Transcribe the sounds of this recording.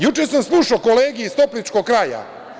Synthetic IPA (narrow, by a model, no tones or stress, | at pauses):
jut͡ʃesamslˠuʃaoko̞leːɡijist̪o̞plʲit͡ʃko̞ɡkɾaːja̰